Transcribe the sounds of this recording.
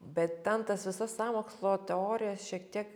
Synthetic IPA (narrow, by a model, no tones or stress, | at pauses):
bʲɛt̪t̪ʲɛnt̪ɐsʋʲɪsɐssɑːmoːkslˠoːt̪ʲɛoːɾʲɪjɛsʃʲiɛkt̪ʲiɛk